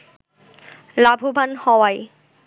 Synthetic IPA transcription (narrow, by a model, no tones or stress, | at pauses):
labʱubʱanhɔwaj